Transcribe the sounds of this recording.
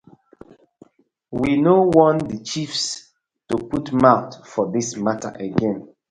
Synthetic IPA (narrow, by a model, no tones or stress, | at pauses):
winowɔ̃ndət͡ʃifs | tuputmaʊtfɔdismatə̰ʔəɡɛ̃n